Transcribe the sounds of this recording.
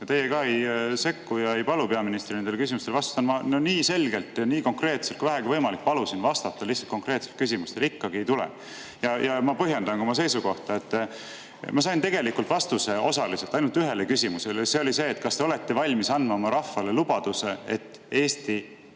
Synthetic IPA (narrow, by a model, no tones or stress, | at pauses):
jɑt̪e̞jekɑːe̞jse̞kːujɑe̞jpɑlupe̞ɑminist̪rinend̪elkys̬imust̪elɑst̪u̥t̪ɑnmɑnoniːse̞lɡ̥e̞lt̪ːˑjɑniːko̞ŋkre̞ːt̪setkuivæɦɛɡ̥ivɤjmɑlik̚ːˑpɑlusinvɑst̪ɑt̪ːɑlihsːɑlt̪ko̞ŋkre̞ːt̪se̞lt̪̚kys̬ʲimust̪elikːɑɡie̞jt̪ulḛ | jɑjɑmɑpɤɦje̞nd̪ɑŋɡomɑse̞jsuko̞ht̪ɑe̞t̪ː | mɑs̬ɑjnt̪e̞ɡe̞likːult̪vɑst̪use̞o̞sɑliselt̪ɑjnult̪yɦe̞lekysʲimuse̞lese̞olise̞ːt̪ːkɑst̪eole̞t̪ːe̞vɑlʲmisɑnmɑmɑɾɑfːɑle̞lub̥ɑd̪̥use̞e̞t̪ːˑe̞ːst̪i